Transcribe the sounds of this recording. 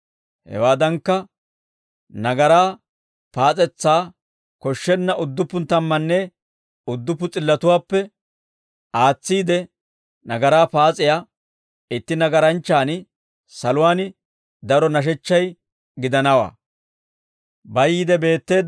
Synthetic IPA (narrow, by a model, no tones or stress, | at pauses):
hɛ̰waːd̪ɐŋkːɐ | nɐɡɐɾaː | paːt͡sʼɛt͡sːaː | kɔʃːɛnːɐʔʊd̪ːʊpːʊnt̪ɐmːɐnːɛ | ʊd̪ːʊpːʊt͡sʼɪlːɐt̪ʊwaːpːɛ | aːt͡sːiːd̪ɛ | nɐɡɐɾaːpaːt͡sʼɪja | ɪt̪ːɪnɐɡɐɾɐnt͡ʃːaːn | sɐlʊwaːnɪ | d̪ɐɾɔnɐʃ̬ɛt͡ʃːɐj | ɡɪd̪ɐnɐwa̰ː | bɐjɪd̪ɛbe̞ːt̪ːe̞ːd̪